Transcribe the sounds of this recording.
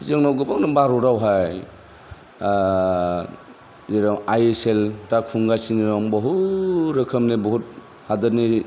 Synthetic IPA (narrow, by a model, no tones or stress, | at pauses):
zeŋnawɡɯbaŋnɯmbaɾɔɾawɦaj | zeɾamajeseltakʰuŋɡasiniɾɔŋbɔɦuɾɯkʰəmnebɔɦut̚ | hadaɾni